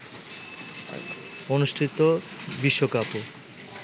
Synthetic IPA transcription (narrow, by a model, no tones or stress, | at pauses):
onuʃʈʰit̪ːobiʃːokapo